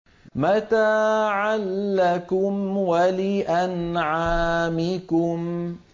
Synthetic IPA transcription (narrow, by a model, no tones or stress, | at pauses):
mat̪aːʕalːakʊmwalɪʔanʕaːmɪkʊm